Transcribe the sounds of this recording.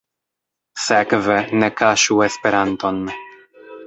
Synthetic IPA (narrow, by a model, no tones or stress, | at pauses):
sekvenekaʃuespeɾant̪o̞n